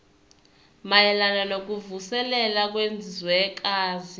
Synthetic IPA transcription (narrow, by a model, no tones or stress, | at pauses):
majɛlananok̬ʼuvusɛlɛlak̬wend͡zʱizwɛɛk̬ʼaːzi